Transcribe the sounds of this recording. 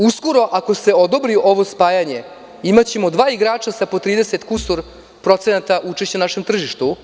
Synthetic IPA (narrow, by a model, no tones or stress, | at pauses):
usko̞ɾo̞ʔako̞se̞o̞d̪o̞bɾiʔo̞ʋo̞spaːjaɲe̞ | imat͡ɕe̞mo̞d̪ʋaːiɡɾaːt͡ʃasapo̞t̪ɾiːd̪eset̪kusoɾ | pɾo̞t̪senat̪aʔut͡ʃe̞ʃt͡ɕenaʃe̞mt̪r̩ʒiʃt̪u